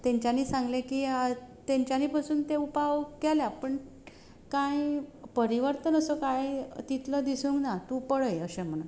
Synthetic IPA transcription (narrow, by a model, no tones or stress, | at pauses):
t̪ẽɲt͡ɕjaniːsãŋɡlẽkiːat̪ẽɲt͡ɕjaniːpasuːnt̪eupaʋkeljapəɳ | kajpəɾiʋəɾt̪ənəsokajt̪it̪ləd̪isuːŋknat̪ũpəɽəjəɕem̤əɽun